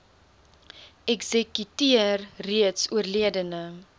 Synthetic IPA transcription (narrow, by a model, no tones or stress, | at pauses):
ɛkzəkytiərriətsuərliədənə